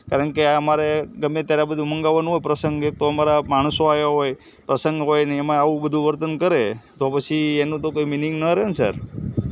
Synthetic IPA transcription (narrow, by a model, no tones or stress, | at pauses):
kaɾəɳkeaəmaɾeɡəmːet̪jaɾabəd̪ʱũməŋɡaʋanũɦojpɾəsəŋɡek̚t̪oəmaɾamaɳ̃əsoajaɦoj | pɾəsəŋɡɦojneemãːʋũbəd̪ʱũʋəɾt̪ənkəɾet̪opət͡ʃʰienũt̪okoiminiŋɡnəɾensə̰ɾ